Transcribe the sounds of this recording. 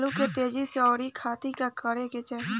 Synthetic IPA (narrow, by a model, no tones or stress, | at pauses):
lũket̪eːd͡ʒiseɔːɾikʰaːt̪ikakʰəɾeket͡ʃe